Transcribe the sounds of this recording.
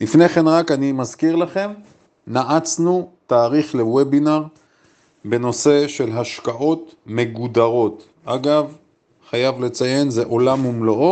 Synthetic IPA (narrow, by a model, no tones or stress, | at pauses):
lifneχe̞nʁakanimazkiʁlaχe̞m | naʔat͡snut̪aːʁiχlewebinaʁ | be̞no̞se̞ʃe̞lɦaʃkaʔo̞t̪me̞ɡud̪aʁo̞t̪ | aɡav | χajavle̞t͡saje̞nzeʔo̞lamumloʔo